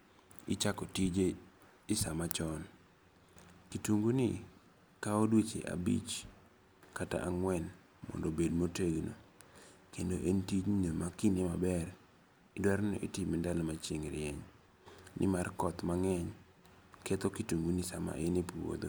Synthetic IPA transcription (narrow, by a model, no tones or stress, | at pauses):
ɪt͡ʃakɔtid͡ʒe | ɪsamat͡ʃɔn | kituŋɡuni | kaodwet͡ʃḛʔa̰bḭt͡ʃ | kata̰ʔaŋwɛn | mɔ̰ndobedmoteɡno̰ | kendoʔentid͡ʒnomakinemabɛr | ɪdwaɾno̰ʔitimindalɔmat͡ʃeŋɾɪɛɲ | nʔɪ̰markɔt̪maŋɛɲ | kɛt̪okituŋɡunisama̰ʔenipwo̰d̪o̰